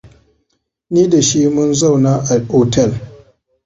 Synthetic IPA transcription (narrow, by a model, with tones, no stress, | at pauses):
niː˦da˨ʃi˦mʊ˦nza˦˨wnaː˦ʔa˨ʔoː˦˨tɛ˦˨l